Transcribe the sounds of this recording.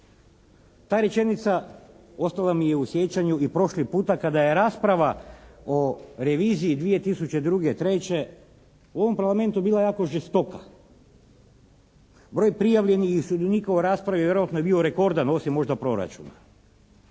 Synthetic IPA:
t̪aːɾje̞t͡ʃe̞nit̪sa | o̞st̪alˠamijeusje̞t͡ʃaɲuipɾo̞ʃlipuːt̪akad̪ajeɾaːspɾaʋao̞ɾe̞ʋiːziːd̪ʋije̞t̪isut͡ɕed̪ɾuːɡe̞t̪ɾe̞t͡ɕe̞ | uo̞ʋo̞mpaɾlame̞nt̪ubiːlˠajaːko̞ʒest̪o̞ka | bɾo̞ːjpɾijaʋʎe̞nixiusud̪uniːkaoɾaːspɾaʋiʋje̞ɾoat̪nojebio̞ɾe̞ko̞ɾd̪ano̞simːo̞ʒd̪apɾo̞ɾa̰t͡ʃuna

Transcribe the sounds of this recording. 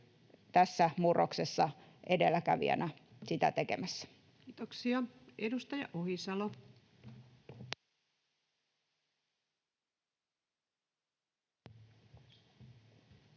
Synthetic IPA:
t̪æsːæmurːoksesːɑ | ʔedelːækæʋḭæ̰næ | sit̪æ̰t̪ekemæsːæ̥ | kiːt̪oksiɑedust̪ɑjɑ̰ʔohisɑlo

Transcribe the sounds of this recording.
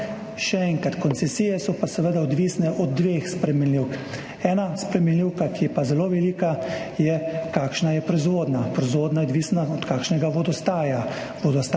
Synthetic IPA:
ʃɛɛŋkat̪kɔnsɛsiːjɛsɔpasɛʋed̪aɔd̪ʋiːsnɛʔɔd̪̚ːʋeːxspɾɛmɛnliwk | ɛːnaspɾɛmɛnliwkakijɛpazɛloʋɛliːkajɛkaːkʃnajɛpɾɛzʋoːd̪napɾɔzʋoːd̪najɔd̪ʋiːsnaɔt̪kaːkʃnɛɡaʋɔd̪ɔst̪aːja | ʋɔd̪ɔst̪

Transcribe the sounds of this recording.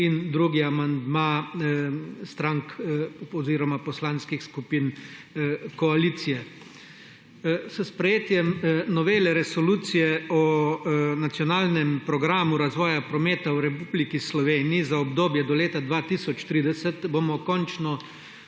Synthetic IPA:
ind̪ɾuːɡiamand̪ma | st̪ɾaŋkɔziːɾɔmapɔslaːnskixskupiːn | kɔalit̪sijɛ | səspɾɛjeːt̪jɛmnɔʋeːlɛɾɛsɔluːt̪sijɛɔ | nat̪sjɔnaːlnɛmpɾɔɡɾaːmuɾazʋɔːjapɾɔmeːt̪awɾɛpublikislɔʋeːniizaɔbd̪oːbjɛd̪ɔleːt̪ad̪ʋaːt̪iːsɔt͡ʃt̪ɾiːd̪ɛsɛt̪boːmɔkɔnt͡ʃnɔ

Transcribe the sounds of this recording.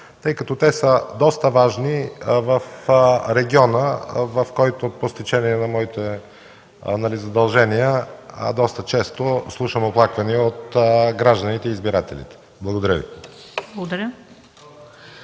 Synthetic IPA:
t̪ɤjkɐt̪ɔt̪ɛsəd̪ɔst̪əvaʒnivɐfɾɛɡʲiɔnəvɐfkɔjt̪opost̪it͡ʃɛniɛnɐmɔit̪ɛ | nɐlizɐd̪ɐlˠʒɛniəɐ̰d̪ɔst̪ət͡ʃɛst̪oslˠuʃəmoplˠakvɐniəot̪ɡɾaʒd̪ənit̪ɛiːzbiɾat̪ɛlḭt̪ɛ̥ | blˠɐɡod̪ɐɾʲəvḭblˠəɡod̪ɐɾʲjə

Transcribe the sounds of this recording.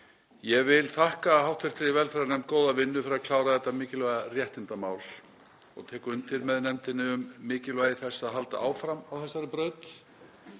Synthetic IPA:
jɛɣvɪlθahkahawht̪ʰeɾt̪ɾivɛlfɛɾaɾnɛm̥t̪̚koːwðavɪnːʏfɪɾakʰl̥aːwɾaθɛt̪ːamɪːcɪlvaɣarjɛht̪ɪnt̪amaːwl | ɔ̰ɣt̪ʰɛːkʏʏnt̪ɪɾmɛðnɛmt̪ɪnːɪʏmːɪːcɪlvajðɪθɛsːaðɦalt̪a̰ʔaːwfɾamawθɛsːaɾɪpɾœːɥt̪

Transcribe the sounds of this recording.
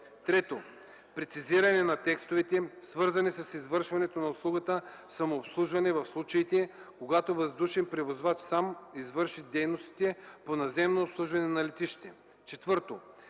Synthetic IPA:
t̪ɾɛt̪o | pɾɛt̪siziɾɐnɛnɐt̪ɛkst̪ovɛt̪ɛsvɤɾzɐnisɐsizvɤɾʃvɐnɛt̪onɐʊslˠuɡət̪ə | sɐmoːpslˠuʒvɐnɛvɐfslˠut͡ʃɐit̪ɛ | koɡat̪ovɐzd̪uʃɛmpɾɛvozvat͡ʃsamizvɤɾʃid̪ɛjnost̪i̥t̪ɛponɐzɛmnoːpslˠuʒvɐnɛnɐlɛt̪iʃt̪ɛ | t͡ʃɛt̪vɤɾt̪o

